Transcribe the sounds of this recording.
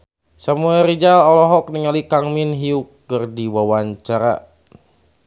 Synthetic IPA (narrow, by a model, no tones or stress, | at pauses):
samuaɾid͡ʒalalɔɦɔk̚niŋalikaŋminɦiukːɨrdiwawaɲt͡ʃaɾa̰